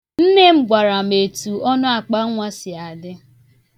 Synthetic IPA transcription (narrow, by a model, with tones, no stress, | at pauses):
n̩˦ne˦m̩˦ɡʷa˨ɾa˨m̩e˨tu˨ɔ˦nʊ˦a˨k͡pa˦ŋʷa˦sɪ˨a˨dɪ˦